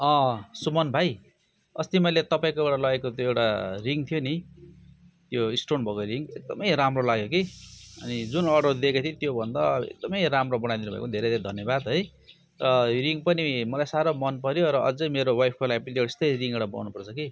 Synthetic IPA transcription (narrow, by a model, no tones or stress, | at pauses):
ʌ̃sumʌnbʱaj | ʌst̪imʌjlet̪ʌpaĩkoewɽalʌekot̪joewʈariŋt̪ʰijoni | t̪joisʈronbʱʌkoɾiŋɡek̚d̪ʌmʌjɾamrolaɡjokiʌnid͡zunʌɖod̪ekat̪ʰĩt̪jobʱʌnd̪ʌḛk̚d̪ʌmʌjɾamrobʌnajd̪inubʱʌ̰kʌnid̪ʱeɾed̪ʱeɾed̪ʱʌnjʌbad̪ɦʌj | rʌɾiŋpʌnimʌlajsaɾomʌnpʌɾjoɾʌʔʌd͡zʌjmeɾowajpʰkolapʌlieɽest̪ʌriŋɡewɽabʌ̰wnupʌrt͡sʰʌki